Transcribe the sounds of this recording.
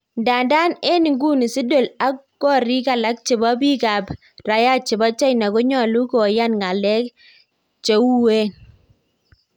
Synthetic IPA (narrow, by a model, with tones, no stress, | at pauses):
nda˨nda˦ne˦ni˨ŋɡu˦ni˨si˦do˨la˦kɡɔ˦ɾi˦ka˨la˦k̚t͡ʃɪ˨ba˦bi˦ka˨b | ɾa˨ja˦t͡ʃɪ˨ba˦t͡ʃa˦jna˨kɔ˦ɲɔ˨lu˦ko˨ja˦nŋa˨lɛ˦k | t͡ʃe˨˦wu˦we˦n